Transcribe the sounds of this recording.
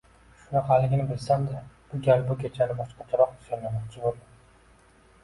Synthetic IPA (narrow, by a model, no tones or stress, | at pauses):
ʃʊnaqʰɑlɪŋʲɪnɪbɪlsamd̪ɪb̥ʊɡʲalbʊkʲʰet͡ʃʰanɪbɒʃqɑt͡ʃ̪ʰaɾɒq̚d̪ɪ̥sɒnːamɒt̪t͡ʃʰɪbolˠd̪ɪ